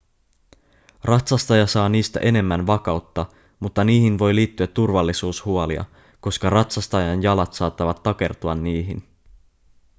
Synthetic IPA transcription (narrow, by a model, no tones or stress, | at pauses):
rɑt̪sɑst̪ɑjɑsɑːniːst̪æ̰ʔe̞ne̞mːænʋɑkɑwt̪ːɑ | mut̪ːɑniːhinʋo̞jliːt̪ːyæt̪ːurʋɑlːisuːshuolḭɑ̰ | ko̞skɑrɑt̪sɑst̪ɑjɑnjɑlɑt̪sɑːt̪ːɑʋɑt̪ːɑk̟e̞rt̪uɑnːiːɦin